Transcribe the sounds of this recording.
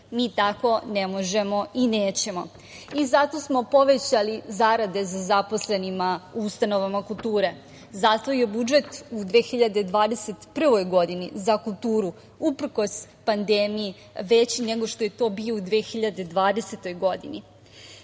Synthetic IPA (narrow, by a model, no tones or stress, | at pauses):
miːt̪ako̞nemo̞ʒe̞mo̞ineːt͡ɕe̞mo̞̰ | izat̪o̞smo̞po̞ʋe̞t͡ɕalizaɾad̪e̞zazapo̞sle̞nimauust̪ano̞ʋamakulˠt̪uːɾe̞ | zast̪ʋoje̞bud͡ʒe̞t̪ud̪ʋeːxiʎad̪ed̪ʋaːd̪ese̞t̪pr̩ʋo̞jɡo̞d̪inizakulˠt̪uːɾu | upr̩ko̞s | pand̪eːmiji | ʋe̞t͡ɕine̞ɡo̞ʃt̪o̞jet̪o̞ːbio̞ud̪ʋeːxiʎad̪e̞d̪ʋaːd̪e̞set̪o̞jɡo̞d̪ḭni